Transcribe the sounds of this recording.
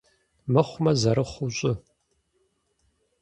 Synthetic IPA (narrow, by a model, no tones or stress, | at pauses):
mɐχʷʊmɐzɐɾɨχʷʊɕʼʊ